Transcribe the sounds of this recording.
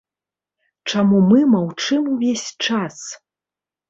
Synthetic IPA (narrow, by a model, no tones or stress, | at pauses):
t͡ʂamumɨmawt͡ʂɨmuvʲesʲt͡ʂas